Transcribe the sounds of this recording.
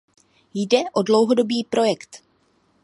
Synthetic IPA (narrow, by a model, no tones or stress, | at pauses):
jdɛʔo̞dlo̞wɦodo̞biːpɾo̞jɛkt̪